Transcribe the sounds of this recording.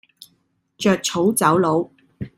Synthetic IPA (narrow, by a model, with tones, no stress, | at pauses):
t͡ʃœː˨˧k̚t͡sʰo˨˥wt͡sɐ˨˥wlo˨˧w